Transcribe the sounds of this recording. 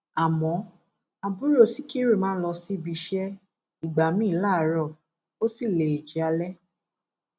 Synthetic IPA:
a˨mɔ̃˨˦ | a˧bu˦ɾo˦˨si˦ki˦ɾe˦˨mãː˦lɔ˧si˦˨bi˧ʃɛ˦ | i˨ɡ͡ba˨mĩː˦˨˦la˦˨˦ɾɔ˦˨ | o˦si˦˨le˨e˨d͡ʒi˨a˧lɛ˦

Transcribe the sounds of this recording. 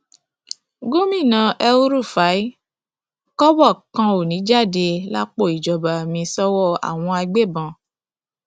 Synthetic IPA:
ɡo˦mĩ˦˨nã˧˦ʔɛ˧u˦ɾu˦˨fa˨˦i˦ | kɔ˦wɔ˦˨kã˧o˨nĩ˨˦d͡ʒa˦˨de˧la˦k͡po˦˨i˨d͡ʒɔ˨ba˨mĩ˧sɔ˦wɔ˦˨a̰˨w̃ɔ̃˧a˧ɡ͡be˦˨bã˧˨

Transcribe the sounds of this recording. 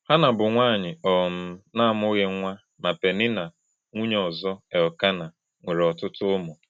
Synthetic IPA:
ha˦na˨bʊ˨ŋʷaː˦˨ɲɪ˨ɔ˨m̩˦na˦˨m˦ʊ˦ɣe˦ŋʷa˦ | ma˨pe˨nɪ˦na˨ | ŋʷu˦ɲ˦ɔ˨zɔ˦ɛ˨ɔ˨ka˦na˨ | ŋʷe˨ɾɔ˨tʊ˦tʊ˦ʊ˦mʊ˨

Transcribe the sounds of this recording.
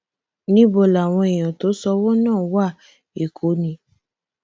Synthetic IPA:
nĩ˦bɔ˦˨la˨w̃ɔ̃˧e˨j̃ɔ̃˨to˨˦sɔ˧˦wɔ˦nãː˦˨wa˦˨ | e˨kʰo˨˦nĩ˧˦

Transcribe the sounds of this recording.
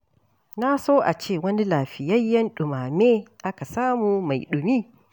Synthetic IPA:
na˦soː˦ʔa̰˨t͡ʃeː˦˨wɐ˦ni˦laː˨ɸɪ˨jɐ˦jːɐ˦nɗʊ˨maː˨meː˦ʔa˦ka˨saː˦muː˨ma˨jɗʊ˨miː˦

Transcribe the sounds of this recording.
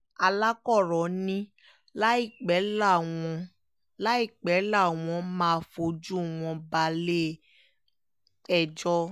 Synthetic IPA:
a˧la˦kɔ˦˨ɾɔ̃˨nĩ˦ | la˦i˦˨k͡pɛ˨˦la˦˨w̃ɔ̃˧ | la˦i˦˨k͡pɛ˨˦la˦˨w̃ɔ̃˧mãː˦˧fo˧d͡ʒu˦˨w̃ɔ̃˧ba˧le˦ | ɛ˦˨d͡ʒɔ˦˧

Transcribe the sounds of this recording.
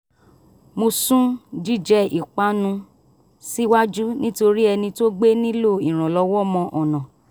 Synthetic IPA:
mo˧sũ˦d͡ʒi˦˨d͡ʒɛ˦i˨k͡pa˨˦nũ˧ | si˦wa˦d͡ʒu˦nĩ˦to˧ɾi˦ɛ˧nĩ˧to˦ɡ͡be˦nĩ˦lo˦˨i˨ɾ̃ã˨lɔ˧˦wɔ˦mɔ̃˧ʔɔ˨nã˨

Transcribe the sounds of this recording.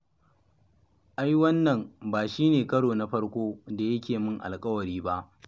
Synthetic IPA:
ʔa˦jwɐ˦nːɐ˨mbaː˨ʃiː˦neː˨kɐ˦ɽoː˨na˦ɸɐ˦ɽkʷoː˦da˨jɐ˦kʲeː˨mɪ˦ŋʔa̰˨lkʼɐ˦wɐ˨ɽiː˦ba˦ʔ

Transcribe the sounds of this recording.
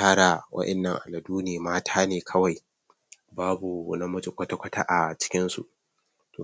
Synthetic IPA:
aː˦ɽa˨wʔɐ̰˦ʔɛ˨nːɐ˨ŋʔa̰˨lɐ˨duː˦neː˨maː˦tʰaː˦neː˨kʰɐ˦wa˨j | baː˦bu˨nɐ˦mʊ˦d͡ʒɪ˨kʷɐ˦ta˦kʷɐ˦ta̰˦ʔa˨t͡ʃɪ̥˦kʲɪ˦nsṵ˨ʔ | to˨

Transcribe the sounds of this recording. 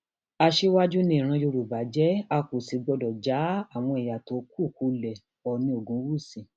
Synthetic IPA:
a˧ʃe˦wa˦d͡ʒu˦nĩ˦˨ɾ̃ã˧jo˧ɾu˨ba˨˦d͡ʒɛ˦a˧ku˨si˨˦ɡ͡bɔ˧dɔ˨d͡ʒa˨˦a˦˨w̃ɔ̃˧i˨ja˨to˨˦ku˦˨ku˧˦lɛ˨ | ɔ˨nĩ˧o˨ɡũ˨˦wu˦˨sĩ˨˧˨

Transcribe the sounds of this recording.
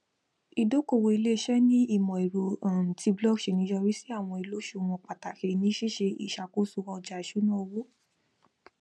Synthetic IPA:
i˧˨do˦ko˦˨wo˨i˧le˦˧ʃɛ˦nĩ˦i˦˨mɔ̃˨i˨ɾo˨ã˨ti˧blɔ˦ɡʃe˨nĩ˧˦jɔ˧ɾi˦si˦a˦˨w̃ɔ̃˧i˨lo˨˦ʃu˦˨w̃ɔ̃˧˨k͡pa˨ta˨ke˨nĩ˧˦ʃi˦˨ʃe˧ḭ˨ʃa˨ko˦su˧ɔ˧d͡ʒa˨˧i˨ʃu˨˦nã˦o˧wo˦

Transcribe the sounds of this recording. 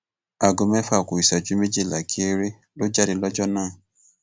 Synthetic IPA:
a˨ɡo˨mɛ̃˦fa˦˨ko˨i˨sa˨d͡ʒu˨˦me˦d͡ʒe˦˨la˨ki˨˦e˦ɾe˦ | lo˦d͡ʒa˦ɾi˧lɔ˦d͡ʒɔ˦nãː˦˨

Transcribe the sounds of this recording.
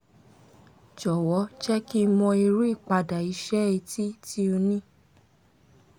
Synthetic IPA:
d͡ʒɔ˨wɔ˨˦t͡ʃɛ˦ki˦˧mɔ̃˧i˧ɾu˦i˦˨k͡pa˧da˨i˨˧˦ʃɛ˦e˧ti˦ti˦o˧nĩ˦

